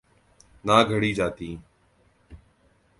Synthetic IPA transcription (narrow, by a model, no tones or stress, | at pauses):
naːɡʱəɽiːd͡ʒaːt̪iː